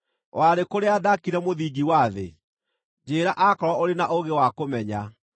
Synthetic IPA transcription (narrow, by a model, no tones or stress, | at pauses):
wʔaɾekoɾeadakiɾɛmoðiːɡiwaːðḛ | d͡ʒeːɾaʔakɔɾwɔoɾenaʔoɣewakomɛɲa